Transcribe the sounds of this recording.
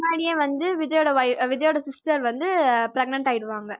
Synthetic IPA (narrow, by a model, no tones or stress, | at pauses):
naːɽɪjẽːʋɐnd̪ɯʋɪd͡ʒɐjɔːɽɐʋɐɪʋɪd͡ʒɐjoːɽɐsɪsʈɐɾʋɐnd̪ɯpɾɛɡ̚nɐɳʈaːjɪɽɯʋaːŋɡɐ